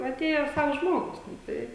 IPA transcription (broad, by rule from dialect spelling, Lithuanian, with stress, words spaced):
ɐˈtʲeːjɛ ˈsɐws ˈʒmoːɡʊs nʊ ˈtɐɪ